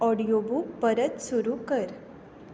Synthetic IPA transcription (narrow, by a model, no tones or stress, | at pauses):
ɔɽijobuːkpəɾət̪suɾukəɾ